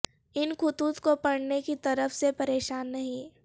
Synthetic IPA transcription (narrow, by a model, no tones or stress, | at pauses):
ɪnkʰʊt̪uːt̪kopɐɽnekit̪ɐɾəfsepɐɾeːʃaːnːɐɦĩ